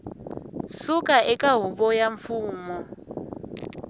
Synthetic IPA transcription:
sukʼaʔɛkʼaɦubɔjaɱfuːmɔ

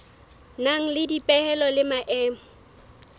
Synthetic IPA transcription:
naŋ̩lɪdipʼɛhɛlɔlɪmaʔɛːmɔ

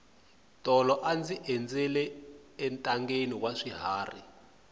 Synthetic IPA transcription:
tʼɔlɔʔand͡ziʔɛnd͡zɛlɛ | ɛntʼaŋɡeniwaʂiɦaːri

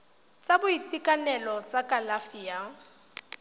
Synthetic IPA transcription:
t͡sʼabʊitʼikʼanɛlɔt͡sʼakʼalafiːa

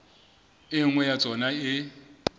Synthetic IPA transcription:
ɪŋwɛjat͡sʼɔnaɪ

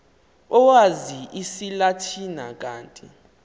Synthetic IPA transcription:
ɔwaziʔisilatʰinak̬ʼaːntʼi

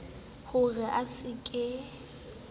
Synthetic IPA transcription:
hʊɣɛʔasɪkʼɛ

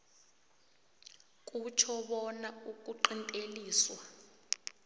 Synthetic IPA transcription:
k̬ʼut͡ʃʰɔɓɔnauk̬ʼuǃintʼeliːswa

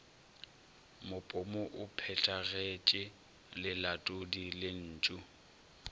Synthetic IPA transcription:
mʊpʼʊmʊʔʊpʰɛtʰʼaɣet͡ʃʼɪ | lɪlatʼʊdilɪn̩ːt͡ʃʼʊ

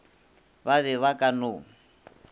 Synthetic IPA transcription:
βaβɛβakʼanʊ

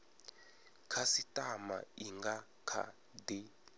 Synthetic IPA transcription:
kʰasitʼama̰iŋɡa | kʰa̰ | di

